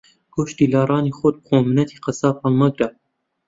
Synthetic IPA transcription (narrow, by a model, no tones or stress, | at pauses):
kʰoʃt̪iːlɑːɾˤɑːniːxod̪̚qoːmnɐt̪ʰiːqəsɑːpɑlmɐɡɾa